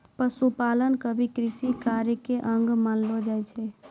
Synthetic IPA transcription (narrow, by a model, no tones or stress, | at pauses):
pəsupalənkəbʱikɾisikaɾəkeʔəŋɡmanlod͡ʒajt͡ʃʰɛ